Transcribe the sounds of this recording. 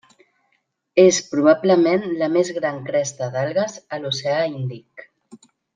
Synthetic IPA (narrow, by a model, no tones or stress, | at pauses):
espɾuβ̞apləmenləmezɣɾaŋkɾɛst̪əðalˠɣəzəluseəind̪ik